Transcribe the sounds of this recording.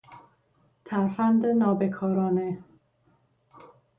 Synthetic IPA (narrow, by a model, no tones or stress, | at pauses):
t̪ʰæɾfænd̪enɒːbekʰɒːɾɒːne